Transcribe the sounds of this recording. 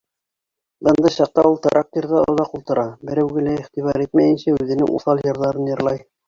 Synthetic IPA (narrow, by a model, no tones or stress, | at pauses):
bɤ̆nd̪ɤɕɑq̚t̪ɑulˠt̪ɑɾʔɑq̚t̪iɾðɑŏ̰ðˠɑqulˠt̪ɤ̆ɾɑbɘ̆ɾæwɡɘ̆læiχt̪iβɑɾit̪mæjɘ̆nɕæʉðɘ̆nɘ̰ŋʔṵθɑlˠjɤ̆ɾðɑɾɤnjɤ̆ɾlˠɑj